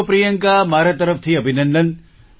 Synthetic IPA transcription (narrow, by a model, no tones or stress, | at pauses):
pɾijəŋkamaɾat̪əɾəft̪ʰiəbʱinənd̪ən